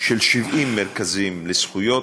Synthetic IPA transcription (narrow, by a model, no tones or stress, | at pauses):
ʃelʃivʔimːeʁkazimlesχujo